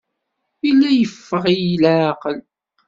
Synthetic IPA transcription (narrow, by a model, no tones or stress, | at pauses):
ilːæjəfːəʁijlqəl